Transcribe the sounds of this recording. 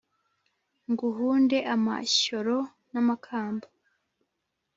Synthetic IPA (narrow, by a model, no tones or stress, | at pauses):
ŋɡuɦuːnde̞ʔama̰ɕo̞ɾo | namakʰaːmba